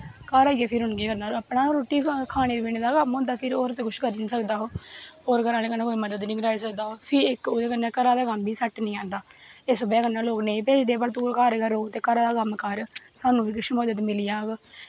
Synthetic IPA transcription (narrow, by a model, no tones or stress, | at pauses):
kaːɾaːiːeːpʰɪɾɦʊnɡeːkəɾnaːəpɳaːɾoːʈiːkʰaːɽ̃eːibɪneːd̪aːkəmɦõːnd̪aːpʰɪɾoːɾt̪eːkʊʃkəɾnĩːsəkd̪aːɦoːoːɾkəɾaːnẽːkənːãːkoːiːməd̪əd̪nĩːɡəɾaːisək̚d̪aːɦoːpʰɪɪkod̪eːkənːẽːkəɾaːd̪aːkəmbiːsəʈnĩːãːnd̪aː | ɪsbɛːkənːaːloːknẽĩpeːt͡ʃd̪eːpəɾt̪uːɾkəɾɡəɾoːt̪eːkəɾaːd̪aːkəmkəɾsaːnũːʋiːkɪʃmoːd̪ət̪mɪlɪjaːɡ